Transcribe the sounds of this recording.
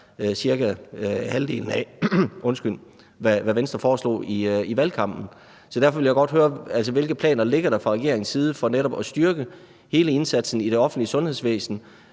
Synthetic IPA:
siɐɡæhælde̝̰ːln̩æʔɔ̽nsɡ̥yl̰ | ʋæʋæʋensd̥ʁɐfɒːslɔ̰ːiiʋælkʰɑ̈m̰b̥n̩ | sɒ̽d̥æɐfɒ̽ʋe̝ljäɪɡ̥ɒ̽d̥høːɐæl̰s̬əʋe̝lɡ̥əð̩ˠpʰlɛ̰ːnɐle̝ɡ̥ɐɾ̥ɑ̈fʁɑ̈ʁɛɡe̝ɐ̰e̝ŋsiːð̞ˠəfɒ̽neɾɒ̽b̥ɒsd̥yɐɡ̥ə | he̝ːləe̝nsæd̥sn̩iɾ̥e̝ɒ̽fn̩dliəsɔ̽nhe̝ðˠsʋḛːsn̩

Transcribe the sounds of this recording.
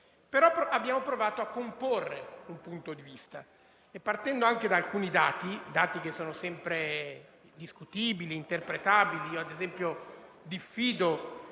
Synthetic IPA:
peɾɔpɾabːjaːmopɾovaːt̪oakːomporːeumpunt̪od̪ivist̪a | epːart̪ɛnd̪oaŋk̟ed̪aːlkuːnid̪aːt̪id̪aːt̪ik̟esːoːnosɛmpɾe | d̪iskut̪iːbiliːnt̪erpɾet̪abiliiːoad̪ezɛmpjo | d̪ifːiːd̪o

